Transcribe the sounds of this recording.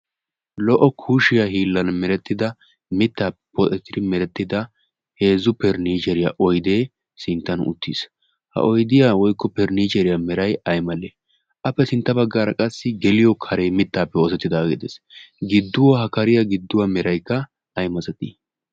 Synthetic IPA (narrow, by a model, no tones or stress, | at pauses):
lɔʔɔkʰuːʃɪjaɦiːlːɐnmɛɾɛt̪ːɪd̪ɐ | mɪt̪ːaːpɛpɔt̪ɛt̪ːɪd̪ɪmɛɾɛt̪ːɪd̪ɐ | he̞ːzːʊpɛɾniːt͡ʃɛɾɪjaʔɔjd̪e̞ː | sɪnt̪ːɐnʊ̰t̪ːis | hɐ̰ʔɔjd̪ɪjaːwɔjkːɔpɛɾniːt͡ʃɛɾɪjamɛɾɐjɐjmɐleː | ʔɐpːɛsɪnt̪ːɐbɐɡːaːɾɐkʼɐsːɪɡɛlɪjɔkʰɐɾejmɪt̪ːaːpːɛɔsɛt̪ːɪd̪aːɡɪd̪ḛːsɡɪd̪ːʊwɔhɐkɐɾɪjɐɡɪd̪ːʊwɐmɛɾɐjkːɐ | ɐjmɐt͡sʼɛt̪i